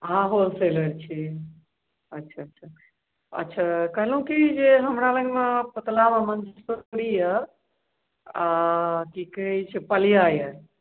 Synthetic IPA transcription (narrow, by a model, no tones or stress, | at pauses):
ɦãɦolseləɾt͡ʃʰi | ətːʃʰaətːʃʰa | ə̰tːʃʰakəɦlũkid͡ʒeɦəmɾaləɡmepət̪lamemənd͡ʒspəɽijə | akikəɦɛt͡ʃʰepəlijajə